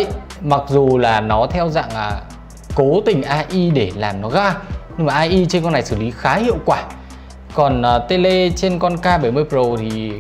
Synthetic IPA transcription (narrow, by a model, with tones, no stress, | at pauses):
ma˨˩k̚zu˨˩laː˨˩nɔ˨˦t̪ʰɛ˧wza̰ː˧˨ŋaː˨˩ | ko˨˦t̪ï˨˩ŋ̟ʔaː˧ʔi˧ɗe˧˩laː˨˩mnɔ˨˦ɣaː˧ɲɨ˧ŋmaː˨˩ʔaː˧ʔi˧t͡ɕe˧nkɔ˧nːa˨˩jsɨ˧˩li˨˦xaː˨˦hḭ˧˨əwkwaː˧˩ | kɔ˨˩nʔəː˨˩t̪e˧le˧t͡ɕe˧nkɔ˧nkaː˧ɓə˧˩jmɨ˧əjpo˨˩t̪ʰi˨˩